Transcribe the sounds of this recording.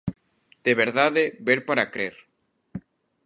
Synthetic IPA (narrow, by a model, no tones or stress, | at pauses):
d̪̥eβeɾðaðebeɾpaɾakɾeɾ